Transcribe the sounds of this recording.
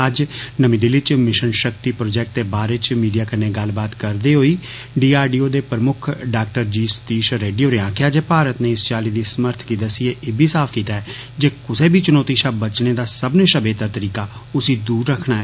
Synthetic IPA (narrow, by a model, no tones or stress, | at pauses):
əd͡ʒnəmĩːd̪ɪlɪt͡ʃmɪʃənʃəkt̪iːpɾoːd͡ʒɛːk̚ʈt̪eːbaːɾeːt͡ʃmiːɖijaːkəneːɡəlbaːt̪kəɾd̪eːɦoːiː | ɖiːaːɾɖiːoːd̪eːpɾəmʊkʰɖaːk̚ʈəɾd͡ʒiːst̪iːʃɾeːɖijoːɾeãːkʰjaːd͡ʒeːpaːɾət̪neːɪst͡ʃaːliːd̪iːsəməɾt̪ʰkiːd̪asieːʔeːbʱiːsaːpʰkiːt̪aːɦɛ | d͡ʒeːkʊseːbʱiːt͡ʃʊnɔːt̪iːʃaːbət͡ʃneːd̪aːsəbneʃəbeːt̪aːt̪əɾiːkaːʊsiːd̪uːɾːəkʰnaːɛː